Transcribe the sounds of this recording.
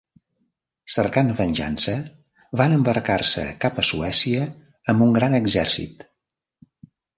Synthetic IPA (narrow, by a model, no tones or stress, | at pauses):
sərkanvənʲʒa̰nsə | βanəmbərkarsə̰kapəsuɛsiəː | mbuŋɡɾanəɡzɛrsḭt̪